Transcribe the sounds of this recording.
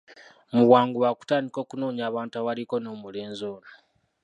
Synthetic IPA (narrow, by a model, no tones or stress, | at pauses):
muwaːŋɡuβaku̥taːndiko̞ːkuno̞ːɲaːβaːntuawaliko̞no̞ːmule̞ːnzoːna